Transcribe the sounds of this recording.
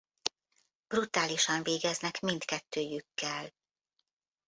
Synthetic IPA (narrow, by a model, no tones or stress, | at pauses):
b̥rut̪aːliʃɒɱveːɡɛznɛkmind̪kɛt̪ːøːjykːɛl